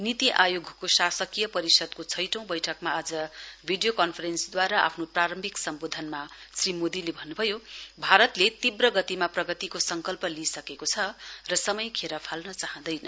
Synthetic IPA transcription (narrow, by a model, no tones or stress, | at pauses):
nit̪iʔajoɡʱkosasʌkijʌpʌɾisʌd̪̚kot͡sʰʌjʈʌ̃w̃bʌjʈʰʌkmaːd͡zʌbʱiɖijokʌnpʰʌɾensd̪waɾaʔa̰pʰnopraɾʌmbʱiksʌmbod̪ʱʌnmasrimod̪ilebʱʌnːubʱʌjobʱaɾʌt̪let̪ibrʌɡʌt̪imaprʌɡʌt̪ikosʌŋkʌlpʌlisʌkekot͡sʰʌrʌsʌmʌjkʰeɾapʰalnʌt͡saɦʌ̃nd̪ʌjnʌ